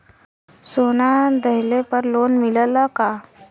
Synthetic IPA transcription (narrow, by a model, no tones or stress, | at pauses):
sonad̪əɦlepəɾloːnmɪləlaka